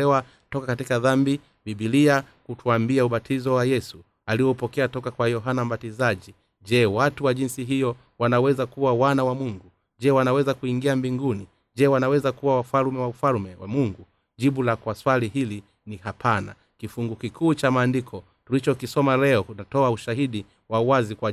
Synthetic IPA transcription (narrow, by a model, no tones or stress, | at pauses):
ɛwa | tɔkakatikaðambi | biɓiliakutuambiauɓatʰizɔwajɛsu | aliɔupɔkɛatɔkakwajɔɦanam̩ɓatizaʄi | d͡ʒɛwatuwaʄinsiɦijɔ | wanawɛzakuwawanawamuŋɡu | ʄɛwanawɛzakuiŋɡiambiŋɡuni | d͡ʒɛwanawɛzakuwawafalmɛwaufalmɛwa̰muŋɡu | ʄiɓulakwaswaliɦili | nihapʰana̰ | kifuŋɡukikʰuːt͡ʃamaːndikʰɔ | tulit͡ʃɔkisɔmalɛɔkutatɔauʃaɦiɗi | wauwazikwa